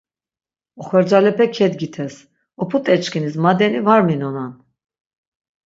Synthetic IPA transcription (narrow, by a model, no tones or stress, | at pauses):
ɔχɛɾd͡ʒalɛpʰɛkʰɛd̪ɡit̪ʰɛs | ɔpʰut̪ʼɛt͡ʃkʰinis̬mad̪ɛnivaɾminɔnan